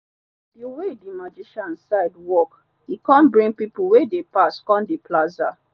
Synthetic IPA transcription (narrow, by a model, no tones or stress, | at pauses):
diwedimad͡ʒiʃãnsaɪdwɔk | hikãnbɹĩŋɡ̚pipuwedepaskɔ̃ndeplaza